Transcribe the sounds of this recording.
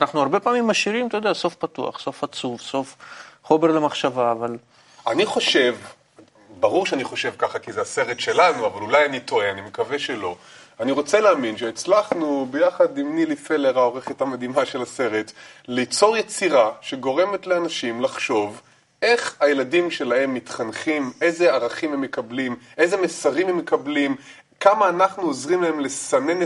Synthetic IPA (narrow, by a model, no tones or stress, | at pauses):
anaχnuaʁbe̞paːmimːaʃiʁimt̪ajod̪easo̞fpatua̰χso̞fat͡suvso̞fχo̞me̞ʁlemaχʃavaːval | aniχo̞ʃe̞v | baʁuʁʃeaniχo̞ʃe̞vkaχakizease̞ʁetʃe̞lanuavalulajanito̞eanimekaveʃelo̞ | aniʁo̞t͡seleːminʃeːt͡slaχnubejaχadimnilifeleʁao̞ʁe̞χetamad̪imaʃe̞lase̞ʁetlit͡so̞ʁjet͡siʁaʃeɡo̞ʁe̞me̞tleanaʃimlaχʃo̞v | ʔe̞χhajeladimʃe̞laɦe̞mːitχanχime̞jzeaʁaχimhemːekablimʔe̞ze̞mesaʁimhemːekablim | kamaːnaχnuozʁimlae̞mle̞sane̞n